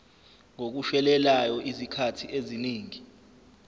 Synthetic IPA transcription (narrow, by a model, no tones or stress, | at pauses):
ŋok̬uʃɛlɛlajɔʔizikʰatʰiʔeziniːŋi